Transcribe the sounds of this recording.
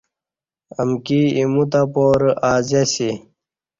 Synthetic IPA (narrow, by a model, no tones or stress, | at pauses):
ə̰mkiimut̪apoːɾaːzesi